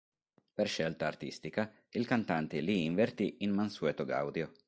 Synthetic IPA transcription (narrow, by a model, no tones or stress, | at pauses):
perʃɛlt̪aːrt̪ist̪ika | ilkant̪ant̪eliːɱvert̪iinmanswɛt̪oɡa̰wd̪jo